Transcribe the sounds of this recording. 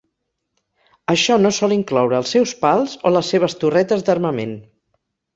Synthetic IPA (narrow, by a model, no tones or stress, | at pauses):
əʃɔnosɔliŋklɔwɾəːlˠsɛwspalˠzoləsːeβ̞əst̪urɛt̪əzd̪ərməmḛn